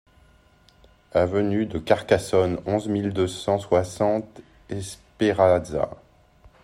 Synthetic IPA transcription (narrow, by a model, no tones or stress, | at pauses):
avənyd̪əkaʁkasɔnɔ̃zmild̪øsɑ̃swasɑ̃t̪ | ɛspeʁaza̰